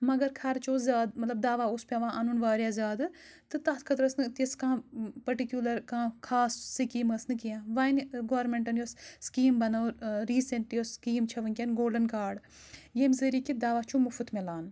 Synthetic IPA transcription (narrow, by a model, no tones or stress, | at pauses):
mɐɡɐɾkʰɐɾt͡ʃoːzʲjaːd̪mɐt̪lɐb̚d̪aːʋaːospʲaʋãːʔɐnunʋaːɾjaːzjaːd̪ɨ | t̪ɨt̪ɐt̪ʰkʰɐt̪ɾɐsnɨt̪iskãːpɐʈikjulɐɾkãːkʰaːssikiːmɐsnɨkijãːʋaːnɡoːɾmẽɳʈɐnjoːsskiːmbɐnɐːɾiːseɳʈjoskiːmt͡ʃʰɐʋɨnʲkʲenɡoːlɖənkaːɖ | jeːmzəɾiːkid̪aːʋaːt͡ʃʰũmufut̪melaːn